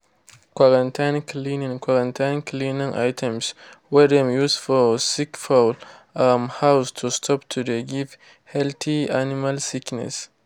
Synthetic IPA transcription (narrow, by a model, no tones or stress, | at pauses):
kʷwaɾãntʰãnklinĩŋkʷwaɾãntʰãnklinĩŋʔa̰jtʰɛ̃mswɛdɛ̃mjusfɔsikfalamhawstʰustʰɔptʰudeɡiv | hɛlt̪ʰianimalsiknɛ̰s